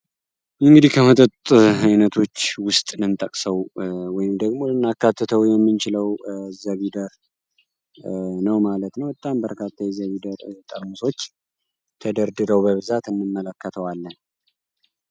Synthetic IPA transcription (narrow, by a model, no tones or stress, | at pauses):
ɨŋɡɨd̪ikʰəhət̪ʼət̪ʼajnət̪ʰo̞t͡ʃːwʊst̪ʼnɨnt̪ʼəkʼsəwwɔjɪmd̪əɡmo̞lɨnːakːat̪ʰːət̪ʰəwjɛmːɨnt͡ʃɪləwzəβid̪əɾ | nəwmalət̪nəwɨt̪ʼːambəɾkʰat̪ʰːajɛzəβid̪əɾt̪ʼəɾmuso̞t͡ʃː | t̪ʰəd̪əɾd̪ɨɾəwbəβɨzat̪ɨnːɨmːələkʰːət̪ʰəwalːən